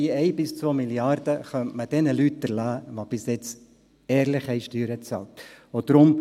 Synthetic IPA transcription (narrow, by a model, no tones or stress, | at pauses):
iɛɪbɪst͡sʋoːmiljɑrd̥əχœntməd̥ɛnəlytəɾlæːʋob̥ɪsjɛt͡s | ɛːɾlɪχɛɪʃtyːɾət͡sɑ̰ltod̥̪ɾʊm